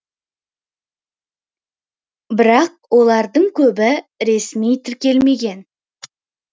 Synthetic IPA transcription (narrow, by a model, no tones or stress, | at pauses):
bɪɾɑq̚wo̞lˠɑɾd̪əɴkʲʰɵbɪɾe̞smijt̪ʰɪɾkʲe̞lme̞ɡʲe̞n